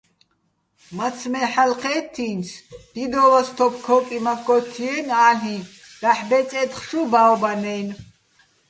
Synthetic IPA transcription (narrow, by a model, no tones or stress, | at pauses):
mat͡sʰmɛħalqʰɛːt̪ʰːinsd̪̥id̪ɔvast̪ʰɔpʰkʰɔkʼimakʰːɔt̪ʰiɛnaːlĩ | d̪̥aħbɛt͡sʼɛt̪χʃubaɔbanɛn